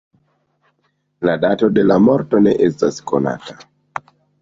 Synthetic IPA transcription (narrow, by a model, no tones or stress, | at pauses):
ladato̞de̞lamo̞ɾto̞ne̞̰ʔestaskona̰ta